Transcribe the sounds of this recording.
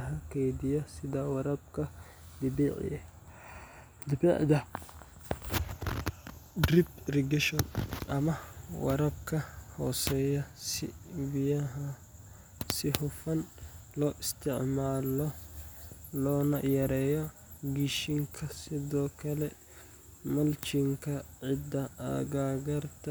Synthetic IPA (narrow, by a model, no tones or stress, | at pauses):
ɦɐkɛjd̪ɪjɐsɪd̪aːwɐɾɐb̚kʰɐ | d̪ɪbiːʕɪ̰jɛ̰ | d̪ɪbɛ̰ʕd̪ɐ | dɾiprɪɡɛʃɔnʔɐmɐwɐ̰ɾɐb̚kʰɐhɔ̰ːsɛjɐsɪ̰bɪjɐɦɐ | sɪhʊfɐnlɔːʔɪst̪ʰɪʕmaːlɔ | lɔːnɐ̰jɐɾɛːjɔ | ɡiʃɪŋkʰɐsɪðɔːkʰɐlɛ | mɐlt͡ʃɪŋkʰɐʕɪd̪ɐɐ̰ɡaːɡɐrt̪ʰɐ